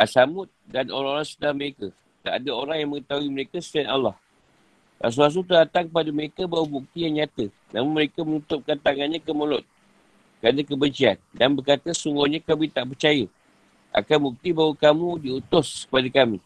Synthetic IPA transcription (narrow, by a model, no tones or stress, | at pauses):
ʔasamʊt̪̚dano̰ɾaŋoɾaŋsut̪aməɾekə | t̪aʔadəoɾaŋjaŋməŋət̪aɦuiməɾekəsə̥t̪ianalːɑh | ʔa̰s̬uas̬ut̪ədat̪aŋkəpadəməɾekəbawəbuk̚t̪ijaŋɲat̪ə | namʊnməɾekəmənut̪ʊp̚kant̪aŋanɲãkəməlɔt̪̚ | kanakəbəɲt͡ʃiandanbərkat̪əsuŋɡuɲãkamit̪aʔpərt͡ʃajə | ʔa̰kanbuk̚t̪ibawəkamũdiut̪ʊskə̥padəkamḭ